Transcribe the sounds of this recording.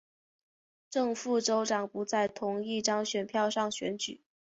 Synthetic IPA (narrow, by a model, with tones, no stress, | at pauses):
ʈ͡ʂɤ˥˧ŋfu˥˩ʈ͡ʂo˥ʊʈ͡ʂɑ˨˩ŋpu˧˥t͡sa˥˩ɪt̪ʰʊ˧˥ŋi˥˩ʈ͡ʂɑ˥ŋɕɥɛ˨˩npʰjɑ˥˧ʊʂɑ˥˩ŋɕɥɛ̰˧˥nt͡ɕy̰˨˩˦